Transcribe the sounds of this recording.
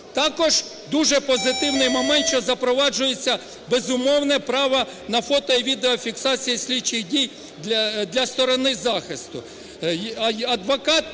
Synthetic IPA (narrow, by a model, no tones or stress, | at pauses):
t̪ɑkɔʒ̥ | d̪uʒɛpɔzɪt̪ɪwnɪjmɔmɛnt̪ʃt͡ʃɔzɐpɾɔʋɑd͡ʒʊjet͡sʲːɐ | bezʊmɔwnɛpɾɑʋɐ | nɐfɔt̪ɔiʋʲid̪eɔfʲiksɑt͡sʲijisʲlʲit͡ʃɪxdʲijʲ | d̪lʲɐst̪ɔɾɔnɪzɑxɪst̪ʊ | ɐɐd̪ʋɔkɑt̪